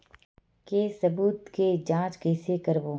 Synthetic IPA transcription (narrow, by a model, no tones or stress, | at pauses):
kesɐbuːt̪ked͡ʒãːt͡ʃkeːsekəɾboː